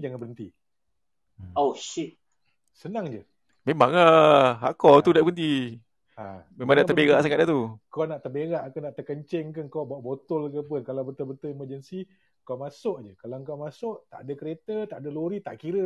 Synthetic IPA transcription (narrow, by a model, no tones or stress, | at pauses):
d͡ʒaŋanbəənt̪ḭ | oʃi | sənaŋd͡ʒə | memaŋəɦa̰ʔkɔt̪udaʔbənt̪i | a̰memãŋnaʔ̪əbeɣaʔsakat̪̚at̪ukɔnaʔt̪əbeɣaʔkanaʔt̪əkəɲt͡ʃɛŋkənkɔbaʔbot̪ʊlkəpʊnkalawbət̪olbət̪oiməd͡ʒənsi | kawmasʊʔd͡ʒəkalaŋkawmasʊʔt̪a̰ʔdakəɾet̪ət̪aʔadəloɾit̪aʔkiɾə